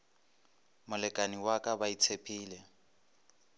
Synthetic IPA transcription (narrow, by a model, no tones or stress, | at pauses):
mʊlɛkʼaniwakʼabait͡sʰepʰiːlɛ